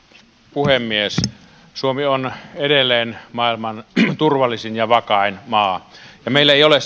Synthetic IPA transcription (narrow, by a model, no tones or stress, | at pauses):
puhemːies | suomionedelːˑeːnmɑˑilmɑnt̪urʋɑlːˑisinjɑʋɑkɑˑenmɑːjɑmeˑilːæeˑijole